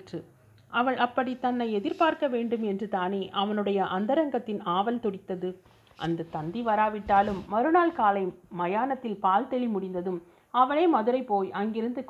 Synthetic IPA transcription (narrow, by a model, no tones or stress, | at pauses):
ʈrɯ | ʔɐʋɐɭʔɐpːɐɽit̪ɐnːɐɪɛðɪɾpaːɾkɐʋeːɳɖɯmɛndrɯt̪aːneːʔɐʋɐnɯɽɐjɐʔɐnd̪ɐɾɐŋɡɐt̪ːɪnaːʋɐlt̪ɔɽɪt̪ːɐðɯ | ʔɐ̰nd̪ɐt̪ɐnd̪iʋɐɾaːʋɪʈːaːlɯmːɐɾɯnaːlkaːlɐɪmɐjaːnɐt̪ːɪlpaːlt̪ɛɭimʊɽɪnd̪ɐðɯm | ɐʋɐɭeːmɐðɯɾɐɪpoːjʔɐŋɡɪɾɯnd̪ɯk